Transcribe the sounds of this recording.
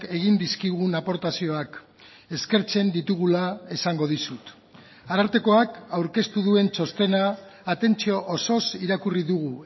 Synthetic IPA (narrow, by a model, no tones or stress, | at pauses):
ke̞ɣ̞ind̪iskiɣ̞unapo̞ɾt̪asio̞ak | e̞ske̞ɾt͡se̞nd̪it̪uɣ̞ulae̞saŋɡo̞ð̞isut̪ | aɾaɾt̪e̞ko̞akawɾke̞st̪uðue̞nt͡so̞st̪e̞naːt̪e̞nt͡sio̞ʔoso̞siɾakuriðuɣ̞u